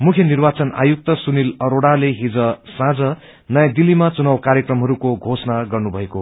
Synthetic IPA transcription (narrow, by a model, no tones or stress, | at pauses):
mukʰjʌnirbat͡sʌna̰juk̚t̪ʌsunilʌɾoɽaleɦid͡zʌsãd͡zʌ | nʌjãd̪ilːimat͡sunawkaɾjekrʌmɦʌɾukoɡʱosnaɡʌrnubʱʌeko